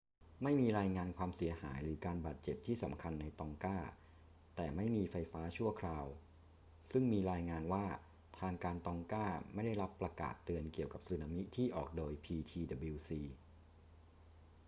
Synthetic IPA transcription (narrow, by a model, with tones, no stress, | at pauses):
ma˥˩jmiː˧ɾaː˧jŋaː˧nkʰwaː˧msi˨˩˦ɐha̰ː˩˦jɾɯː˩˦kaː˧nba̰ː˨˩t̪̚t͡ɕe˨˩p̚t̪ʰiː˥˩sa̰˩˦mkʰa˧nːa˧jt̪ɔ˧ŋkaː˥˩ | t̪ɛː˨˩ma˥˩jmiː˧fa˧jfaː˦˥t͡ɕʰu˥˩ɐkʰɾaː˧w | sɯ˥˩ŋmiː˧ɾaː˧jŋaː˧nwaː˥˩ | t̪ʰaː˧ŋkaː˧nt̪ɔː˧ŋkaː˥˩ma˥˩jda˥˩jɾa˦˥pːɾa˧ka̰ː˨˩t̪ːɯ˧ənki˨˩əwka˨˩p̚sɯː˧na˧mi˦˥t̪ʰiː˥˩ʔɔː˨˩k̚doː˧jpʰiː˧t̪ʰiː˧da˨˧bi˧wsiː˧